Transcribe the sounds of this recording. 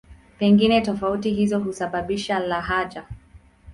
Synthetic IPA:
pɛŋɡinɛtɔfautiɦizɔɦusaɓaɓiʃalaɦad͡ʒa

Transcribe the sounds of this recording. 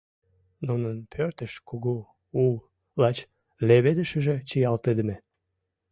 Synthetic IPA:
nunənpʰørt̪əʃkuɣu | ul | lɑt͡ɕ | leβed̪əʃəʒĕt͡ɕijɑlt̪ed̪ə̆me

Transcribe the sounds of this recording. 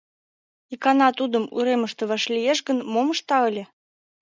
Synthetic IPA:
ikɑnɑt̪ud̪əmṵɾeməʃt̪ə̆βɑʃlʲijeʃɣənmoməʃt̪ɑəlʲĕ

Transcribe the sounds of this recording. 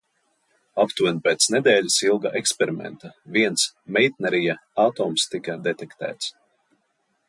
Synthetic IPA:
apt̪unpʲɛːt̪sned̪ɛːlʲusilˠɡa̰ʔekspʲeɾimɛ̰nt̪aviɛnsmɛjt̪̚nɛɾijaat̪ɔːmst̪ikɐd̪et̪ɛkt̪æ̰ːt̪s

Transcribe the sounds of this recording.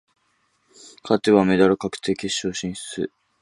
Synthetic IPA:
kʰat̪eβame̞d̪aɾɯ̟kakɯ̟̥t̪e̞ːkʲeɕːo̞ːɕĩɰ̃ɕt͡sɨ̰

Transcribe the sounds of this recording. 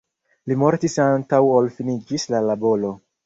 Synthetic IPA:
limo̞ɾtisantawolfinid͡ʒislalabo̞lo̞

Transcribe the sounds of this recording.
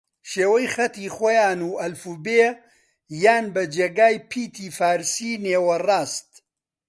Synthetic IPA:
ʃeːwɐjxɐt̪iːxojaːnuːʔɐlfuːbeː | jaːnbɐd͡ʒeːɡaːjpʰiːt̪ʰiːfaːɾsiːneːwɐraːst̪

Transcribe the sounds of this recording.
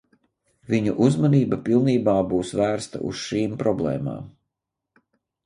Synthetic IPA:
viɲuʔuzmaniːbapilˠniːbaːbuːsvæːɾst̪a̰ʔṵsʃiːmpɾɔblˠḛːma̰ːm

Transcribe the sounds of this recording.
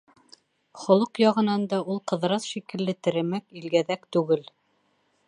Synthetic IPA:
χŏlˠɤqjɑʁɤ̆nɑnd̪ɑʔulˠqɤ̆ðɾɑsʃikɘ̆lːɘt̪ɘ̆ɾɘ̆mækilɡæðækt̪ʉɡɘl

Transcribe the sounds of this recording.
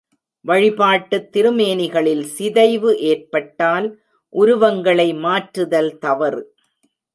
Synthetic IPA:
ʋɐɻɪpaːʈːɯt̪ːɪɾɯmeːnɪɣɐɭɪlsɪðɐɪʋɯʔeːrpɐʈːaːl | ʔʊɾʊʋɐŋɡɐɭɐɪmaːʈɾɯðɐlt̪ɐʋɐɾ

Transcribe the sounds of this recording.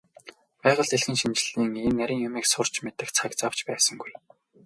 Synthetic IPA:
pæːʁə̆ɮt̪eɮxĭnʃimt͡ɕ̆ɮiːŋenːæɾʲiːŋjʊmiːksʊr̥t͡ɕmet̪ɘ̆xt͡sʰakt͡saw̥t͡ɕpæːsə̆ŋɡuj

